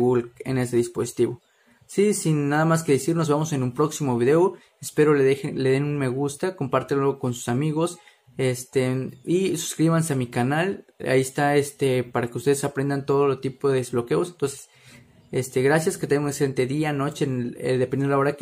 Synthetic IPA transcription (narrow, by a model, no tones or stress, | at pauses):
βulkḛne̞seðispo̞si̥t̪iβo̞ | sisinːaðamaske̞ðesiɾno̞zβamo̞se̞numpɾo̞ksimo̞βiðe̞o | espe̞ɾo̞lexleðe̞nunme̞ɣust̪ako̞mpaɾt̪enlo̞ko̞nsu̥samiɣo̞s | e̞st̪eisu̥skɾiβanse̞amikanala̰iest̪ae̞st̪e̞paɾake̞ust̪eesapɾe̞nd̪ant̪o̞ð̞olot̪ipo̞ðeezβlo̞ke̞o̞sent̪o̞nse̥s | est̪e̞ɣɾasjaske̞t̪eŋɡokeseent̪e̞ðiano̞t͡ʃeḛd̪epenɾlaoɾak